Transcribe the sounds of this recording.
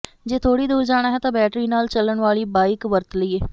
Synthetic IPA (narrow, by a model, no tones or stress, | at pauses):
d͡ʒeːt̪ʰoːɽiːd̪uːd͡ʒaːɽ̃aːɦɛːt̪ãːbɛːʈɾiːnaːlt͡ʃələɳʋaːliːbaːɪkʋəɾt̪ləiːɛː